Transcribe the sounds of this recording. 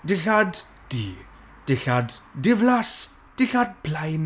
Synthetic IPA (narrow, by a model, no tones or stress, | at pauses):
dɪɬad | d̥iː | d̥ɪɬadːɪvlas | d̥ɪɬad̚b̥lajn